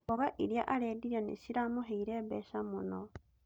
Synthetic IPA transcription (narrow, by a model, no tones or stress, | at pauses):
oɣaʔiɾjaʔaɾeːdiɾianḛsiɾamuheiɾeβeʃamuno